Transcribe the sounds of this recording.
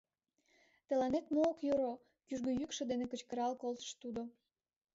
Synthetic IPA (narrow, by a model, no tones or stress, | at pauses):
t̪ə̆lɑnet̪mookjoɾo | kyʒɡøjykʃĕd̪enekət͡ɕkəɾɑlkolt̪ə̥̆ʃt̪ud̪o